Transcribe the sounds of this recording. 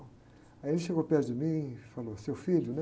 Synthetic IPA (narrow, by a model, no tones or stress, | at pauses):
aelɪʃeɡopɛɾd̪ɪmĩfalosewfilʊnɛ